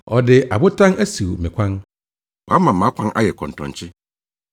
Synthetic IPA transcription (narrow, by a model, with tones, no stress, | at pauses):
ɔ˨dɪ˨a̰˨bʊ˦tʰã˦næ˦si˨wmɪ̰̃˨kʷʰã˦n | wa˦mã˨m̩˨ã˨˦kʷʰã˦nʔa̰˦jɛ˨kʰɔ̰̃˨n̩˨tʰɔ̰̃˨ɲ˨t͡ɕʰɪ˦